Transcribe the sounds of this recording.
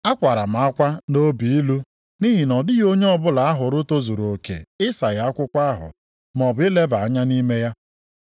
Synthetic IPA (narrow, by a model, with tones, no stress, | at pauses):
a˦kʷa˨ɾa˨m̩˨a˦kʷa˦no˦bi˨i˦lu˦ | ni˦ɦi˨nɔ˨dɪ˦jo˦ɲe˦ɔ˦bʊ˦la˨a˦ɦʊ˨ɾʊ˦to˦zu˨ɾoo˨kḛ˨ɪ˦sa˨ja˨˦a˦kʷʊ˦kʷa˦a˦ɦʊ̰˨ | m˨ɔ˨bʊ˨˦ɪ˦le˦ba˨a˨˦ɲa˦ni˦me˦ja˦